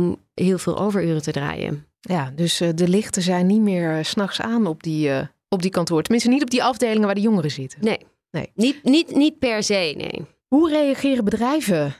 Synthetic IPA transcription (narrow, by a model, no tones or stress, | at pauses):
m | ɦɪːlˠvɪ̰ːlˠʔo̰wvəɹøːrətədra̰ːjə̰ | jaːdøsdəlɪχtəzɛjnːitmɪːɹsnɑχsaːnɔp̚di | ɔb̚dikɑntʊːɹtəmɪnstənitɔb̚diʔɑvdejlɪŋəʋaːɹdəjɔŋərəzɪtənej | nḛjnitnitnit̚pɛɹzejnḛj | ɦurejɑχɪːrəbədrɛjvə